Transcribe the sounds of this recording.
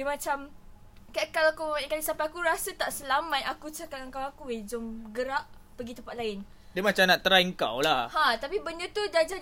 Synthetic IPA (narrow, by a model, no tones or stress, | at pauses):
dimãt͡ʃam | kakalaakuməmikandisampaakuɾasət̪aʔsəlamãjʔakut͡ʃakanəŋkawakued͡ʒɔmɡəɾaʔ | pəɡit̪əmpat̪laɪn | dəmãt͡ʃamnaʔt̪əɾaəŋka̰wlahhãt̪apibənət̪udad͡ʒa